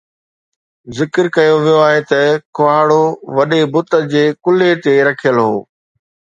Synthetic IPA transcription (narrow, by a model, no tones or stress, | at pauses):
zɪkəɾkɐjoʋijoaːɦet̪ɐkʊaːɽoʋɐɗebʊt̪ə̆d͡ʑeːkʊlet̪eɾɐkʰijəlɦo̰ː